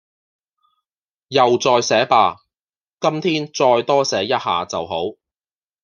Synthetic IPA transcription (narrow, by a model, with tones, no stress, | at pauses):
jɐ˨wt͡sɔː˧jsɛː˨˥paː˧ | kɐ˥mt̪ʰiː˥nt͡sɔː˧jt̪ɔː˥sɛː˨˥jɐ˥t̚ha̰ː˨t͡sɐ˨wɦo˨˥w